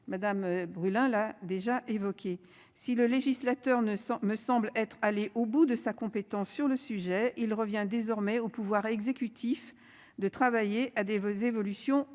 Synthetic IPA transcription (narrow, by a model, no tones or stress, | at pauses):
mad̪ambʁylɛ̃lad̪eʒaʔevɔkʲe | siləleʒislat̪œʁnməsɑ̃blɛt̪χaleʔobud̪əsakɔ̃pet̪ɑ̃sːyʁləsyʒɛilʁəvjɛ̃d̪ezɔʁmɛopuvwaʁɛɡzekʲyt̪ʰif | d̪ət̪χavajeʔad̪ezevɔlysjɔ̃